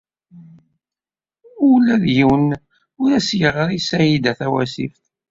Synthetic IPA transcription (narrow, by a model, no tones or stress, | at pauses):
ulːæðjiwn | ʊɾæsjəʁəɾisæjid̪æθæwæ̰sḭf